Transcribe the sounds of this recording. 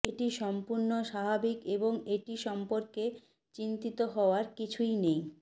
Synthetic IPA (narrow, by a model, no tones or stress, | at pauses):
eʈiʃɔmpuɾnoʃababikeboŋeʈiʃɔmpoɾke | t͡ɕint̪it̪oɦɔoaɾkit͡ɕʰujnej